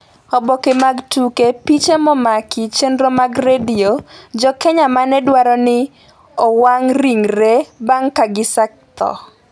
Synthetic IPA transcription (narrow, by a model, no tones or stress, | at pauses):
ɔbɔkemaɡtukepit͡ʃemɔmakɪt͡ʃendɾomaɡɾediod͡ʒɔkɛɲamanɛdwaɾɔnɪ | ɔwaŋɾiŋɾebaŋkaɡɪsak̚t̪ɔ̰